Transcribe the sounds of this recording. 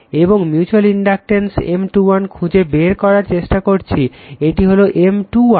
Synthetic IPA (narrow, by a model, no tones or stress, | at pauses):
eboŋmjut͡ɕualiɳɖak̚ʈensḛmʈuwankʰũd͡ʑebeɾkɔɾaɾt͡ɕeʃʈakoɾt͡ɕʰieʈiɦoloʔemʈuwa